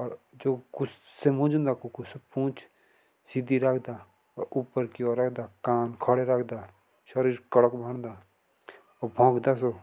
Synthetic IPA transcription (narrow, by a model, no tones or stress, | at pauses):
ɔɾd͡ʒoːkʊs | semʊ̃d͡ʒũnd̪akukʊsepũːt͡ʃ | sid̪iɾəkʰd̪aː | ɔɾupːəɾkioɾɐkʰd̪aːkaːnkʰɔɽeɾəkʰd̪aː | ʃəɾiːɾkəɽəkbʱəɽ̃d̪aː | ɔbʱõːkʰd̪as̬oː